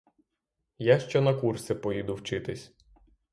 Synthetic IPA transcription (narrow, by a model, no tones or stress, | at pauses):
jaʃt͡ʃɔnɐkursɪpɔjid̪ʊwt͡ʃɪt̪ɪsʲ